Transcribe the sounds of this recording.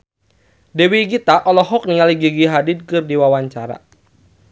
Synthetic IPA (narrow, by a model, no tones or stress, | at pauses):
dɛwiɡit̪aʔɔlɔɦɔk̚niŋaliɡiɡiɦadid̪̚kɨrdiwawaɲt͡ʃaɾa̰